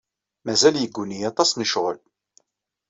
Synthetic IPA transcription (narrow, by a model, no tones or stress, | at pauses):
mæzæljəɡːunijɑt̪ˤɑsnəʃʁəl